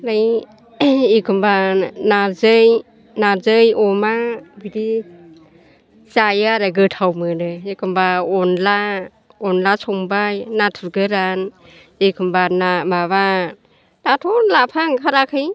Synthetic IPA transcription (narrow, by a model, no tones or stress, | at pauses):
laj | ekʰɯmbanazɯj | nazɯjɔmabidi | sajaɾaɡɯtʰawmɯnɯekʰɯmbaɔnla | ɔnlasɔŋbajnatʰuɾɡɯɾan | ekʰɯmbanamaβa | tatʰɔnlapʰaŋkʰaɾakʰɯj